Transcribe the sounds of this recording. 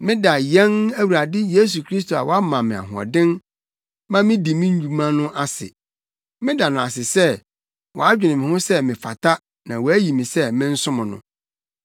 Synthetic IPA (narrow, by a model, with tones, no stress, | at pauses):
mɪ̃˦da˨jɛ̃˦næ˦wu˨ɾa˨dɪ˦je˦s̬u˨kʰɾi˦s̬to˨a̰˨wɔ˦a˦mã˨mɪ̃˨a̰˨ɦʊ̃˨ɔ̰˨dɪ̃˦n | mã˦mɪ̃˦di˨mĩ˦ɲ̩˦d͡ʑᶣu˨mã˦nʊ̃˦ʔa˦sɪ̰˨ | mɪ̃˦da˨nʊ̃˨a˨sɪ˨sɛ˦ | wɔ̰˨a˦d͡ʑᶣɪ˨nɪ̃˨mɪ̃˨hʊ̃˦sɛ˦mɪ̃˨fa̰˨tʰa˦ | nã˨wɔ˨æ˦ji˨mɪ̃˨sɛ˦mɪ̃˦n̩˦sʊ̃˦mʊ̃˨nʊ̰̃˨